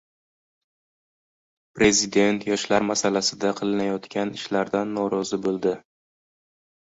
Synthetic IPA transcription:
pɾe̞zɪd̪e̞nt̪ʰjɒʃlaɾmasalasɪd̪aqʰɨlˠɪnajɒt̪kʲanɪʃlaɾd̪anːɒɾɒzɪbolˠd̪ɪ

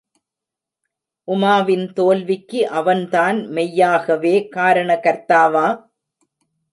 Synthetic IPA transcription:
ʔʊmaːʋɪnt̪oːlʋɪkːɯʔɐʋɐnt̪aːnmɛjːaːɣɐʋeːkaːɾɐɳɐkɐɾt̪aːʋaː

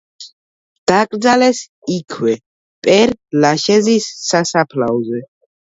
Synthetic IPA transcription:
d̪̥akʼɾd̪zalɛs | ikʰwɛ | pʼɛɾlaʃɛzisːasapʰla̰ɔzɛ

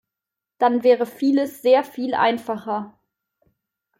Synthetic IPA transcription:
d̥anvɛːʁəfiːləsz̥eːɐfiːlʔa̰ɪnfaχɐ

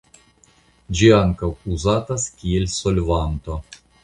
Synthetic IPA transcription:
d͡ʒiaŋkawuzat̪askʲielʲsolʲvant̪o

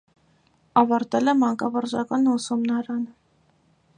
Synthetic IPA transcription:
ɑvɑɾt̪ɛlɛmɑŋkɑvɑɾʒɑkɑnusɔmnɑɾɑnə

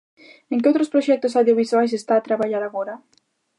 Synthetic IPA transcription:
ẽŋkeowt̪ɾospɾoʃɛk̚t̪osawðjoβiswajs̬est̪aːt̪ɾaβaʎaɾaɣoɾa

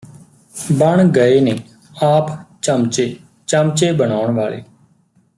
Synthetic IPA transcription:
bəɳɡəeːneː | aːpt͡ʃəmt͡ʃeː | t͡ʃəmt͡ʃeːbəɽ̃aːʊɳʋaːɭḛː

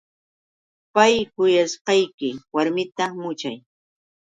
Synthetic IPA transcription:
pajkʊjasqɑjkɪwaɾmɪt̪amʊt͡ʃaj

